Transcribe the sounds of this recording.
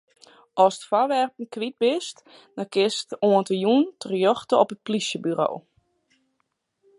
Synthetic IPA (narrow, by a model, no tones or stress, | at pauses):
ʔɔsə̥tfɔrʋɛrpn̩kʋit̚bɪst | dɔkɪstoəntəjuntʰərjɔxtəɔpət̚plisjəbyɾo̰ː